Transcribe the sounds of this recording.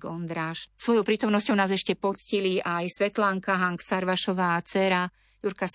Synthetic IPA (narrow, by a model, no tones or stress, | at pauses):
ɡɔnd̪ɾaːʃsʋɔjɔʊpɾiːt̪ɔmnɔscɔʊnaːzɛʃcɛpɔt͡sciliʔajsʋɛt̪laŋkaɦaŋksaɾʋaʃɔʋaːt͡sɛɾa | juɾka